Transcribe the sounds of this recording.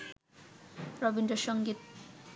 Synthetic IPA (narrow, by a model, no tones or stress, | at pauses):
ɾɔbinɖoʃɔŋɡit̪̚